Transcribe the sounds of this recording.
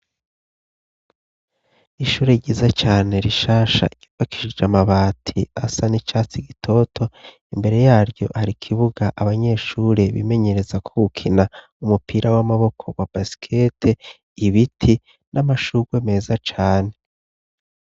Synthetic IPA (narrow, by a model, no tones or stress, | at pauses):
iʃuːɾeɟiːzat͡ʃaːne̞ɾiʃaːʃa̰ɟ̥ivaki̥ʃid͡ʒamaβaːtʰiasanit͡ʃaːt͡siɡitʰo̞tʰo̞ | imbe̞ɾe̞jaːɾɟo̞haɾikʰiβuɡaʔaβaɲe̞ʃuːɾe̞βḭme̞ɲe̞ɾe̞zakʰoɡukʰina | umupʰiɾawamaβo̞kʰo̞wab̥asi̥kʰe̞tʰe | iβitʰi | nʔamaʃuɡ̥weme̞ːzat͡ʃaːne̞